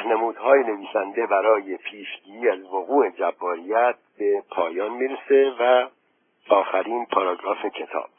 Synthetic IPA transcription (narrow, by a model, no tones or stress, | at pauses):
hnemuːd̪̥ɦɒːjene̞viːsænd̪e̞bæɾɒːje̞pʰiːʃɟiːɾiːæzvoɣuːe̞d͡ʒæbːɒːɾijæt̪̚b̥e̞pʰɒːjɒːnmiːɾese̞væ | ɒːxæɾiːnpʰɒɾɑɡɾɒːfecʰe̞t̪ʰɒ̰ːb̥